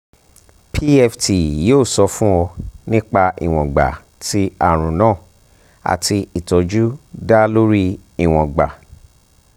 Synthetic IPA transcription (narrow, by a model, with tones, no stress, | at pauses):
pʰi˦ɛ˧fti˨joː˦˨sɔ˧fũ˦ɔ˧nĩ˦k͡pa˧ḭ˨w̃ɔ̃˨ɡ͡ba̰˨ | ti˦a˦˨ɾ̃ũ˨nãː˦˨ | a̰˨tʰi˧i˨tɔ˨d͡ʒu˦da˦lo˦ɾi˦i˨w̃ɔ̃˨ɡ͡ba˨